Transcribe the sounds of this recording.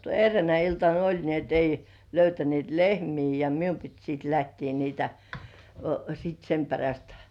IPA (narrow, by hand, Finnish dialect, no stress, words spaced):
erːeænæ iltɑn olʲ ni et ei løytænĭeˑt lehmiː jɑ mium pit siːt læhtiː niːtæ sit sem peræst